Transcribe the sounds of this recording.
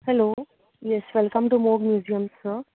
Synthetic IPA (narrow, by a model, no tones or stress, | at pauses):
hɛloː | jɛsʋɛlkə̃mʈumɔːɡmjuːziə̃mə